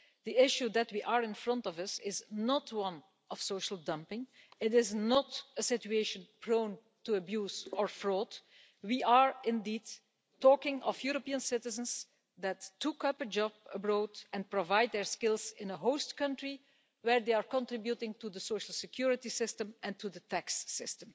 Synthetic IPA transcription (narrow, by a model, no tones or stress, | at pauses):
d̪iɪʃjud̪ɛtwiʔaɹɪ̃nfɹʌ̃ntɔvʌsɪznɔtʰwʌ̃n | ɔfsoʊʃəl̩ˠdʌ̃mpɪ̃ŋ | ɪtɪznɔtəsɪtueɪʃə̃npʰɹõʊ̃n | tuəbjuːzɔɹfɹɔːd | wiaɹɪ̃ndiːd | ɔːkɪ̃ŋɔfjuɹopiə̃nsɪtɪzə̃ns | d̪ætʰːukʌpəd͡ʒɑb̚əbɹoːdɛ̃npɹovaɪd̚dɛɹskɪlˠzɪ̃nəɦoʊstkʌ̃ntɹi | wɛɹd̪eaɹkɔ̃ntɹɪbjutɪ̃ŋtudəsoʊʃəl̩ˠsɪkʰjuɹɪtisɪstə̃mɛ̃ntʰudətʰæksːɪstə̃m